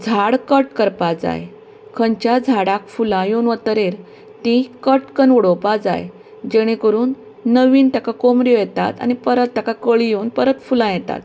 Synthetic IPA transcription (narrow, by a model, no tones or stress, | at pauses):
d͡zʱaɽkəʈkəɾpad͡za̰j | kʰəɲt͡ɕjad͡zʱaɽakfulãjonʋət̪əɾeɾ | t̪ĩkəʈkənʋɽopad͡za̰j | d͡ʑeɽ̃ẽkəɾuːnː | əʋiːnt̪akakomɾjojɛt̪a̰t̪a̰ñipəɾət̪ːakakəɭijoːnpəɾət̪fulãjɛt̪a̰t̪